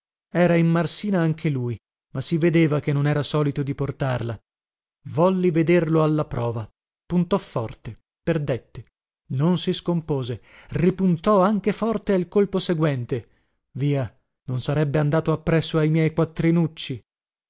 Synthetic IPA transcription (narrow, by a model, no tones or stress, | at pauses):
ɛːɾaimːarsiːnaaŋkʰeluj | masːived̪eːvakenːonɛːɾasɔːlit̪od̪iport̪arla | vɔlːived̪erloalːapɾʔɔːva | punt̪ɔfːɔrt̪e | perd̪et̪ːe | nonsiskompoːze | ripunt̪ɔaŋkefɔrt̪ealkolposeɡwɛnt̪e | viːa | nonsaɾɛbːeand̪aːt̪oapːɾɛsːoajmjɛjkwat̪ːɾinut͡ʃːi